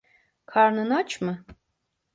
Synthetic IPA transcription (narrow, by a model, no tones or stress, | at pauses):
kʰaɾnɯnat͡ʃʰmɯ